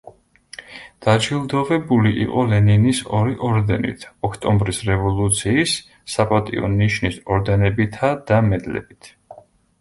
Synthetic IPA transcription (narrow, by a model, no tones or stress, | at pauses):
d̪̥ad͡ʒilˠd̪ɔʁɛbuliʔiqʼɔlɛninisɔɾiʔɔɾd̪ɛnḭt̪ʰɔkʰt̪ʼɔmbɾisɾɛvɔlˠut̪sʰiːsː | apʼat̪ʼḭɔ̰niʃnisɔɾd̪ɛnɛbit̪ʰad̪̥amɛd̪lɛ̰bit̪ʰ